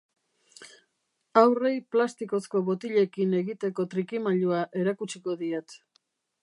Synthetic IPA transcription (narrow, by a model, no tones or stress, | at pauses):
awre̞jplast̪iko̞sko̞βot̪iʎe̞kine̞ɣit̪e̞ko̞t̪ɾikimaʎuaʔe̞ɾakut͡ʃiko̞ðiet̪